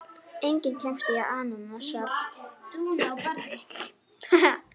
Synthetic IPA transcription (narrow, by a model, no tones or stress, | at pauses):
ejɲcɪncʰɛm̥st̪ɪaaːnanasat̪unawkaɾt̪ɪ